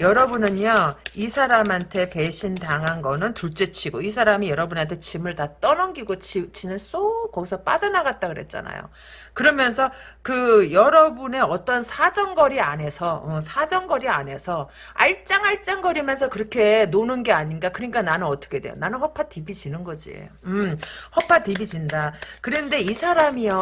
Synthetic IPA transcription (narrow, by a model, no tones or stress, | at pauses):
jʌɾʌbunɯnaisʰaɾamɦantʰe̞pe̞ɕʰindaŋɦanɡʌnɯntuɭt͡ɕ͈et͡ɕʰiɡois̬ʰaɾamijʌɾʌbunantʰe̞t͡ɕimɯɭtat͈ʌnʌnɡiɡot͡ɕt͡ɕʰinɯns͈okʌɡisʰʌp͈a̰d͡ʑʌnaɡat̚t͈aɡɯɾɦe̞̰t̚t͡ɕ͈a̰na̰jo̰ | kɯɾʌmjʌns̬ʰʌkɯjʌɾʌbune̞ʌt͈ʌnsʰad͡ʑʌŋɡʌɾia̰ne̞sʰʌʌsʰad͡ʑʌŋɡʌɾia̰ne̞sʰʌ | a̰ɭt͡ɕ͈aŋaɭt͡ɕ͈aŋɡʌɾimjʌns̬ʰʌkɯɾʌkʰe̞nonɯnɡe̞aɲinɡakɯɾʌɲik͈ananɯnʌt͈ʌ̥kʰe̞dwe̞̰jo̰nanɯnhʌpʰatibit͡ɕinɯnɡʌd͡ʑḭɯmhʌpʰatibid͡ʑindakɯɾende̞isʰaɾamiʌ